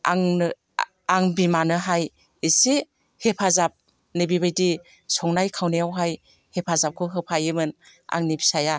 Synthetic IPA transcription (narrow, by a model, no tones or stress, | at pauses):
a̰ŋ | aŋbimanɯɦaj | ise | hepʰazap̚ | nɯbibajdi | sɔŋnajkʰawnejawɦaj | hepʰazap̚kʰɯɦɯpʰajɯmɯn | a̰ŋnibisaja